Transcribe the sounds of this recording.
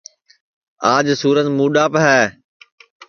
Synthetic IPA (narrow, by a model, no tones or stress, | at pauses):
aːd͡ʒsuːɾənmuːɗaːpɦɛː